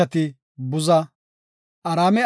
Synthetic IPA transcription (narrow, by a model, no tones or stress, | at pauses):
ɐt̪ɪ | bʊzɐ | ʔɐɾaːmɛ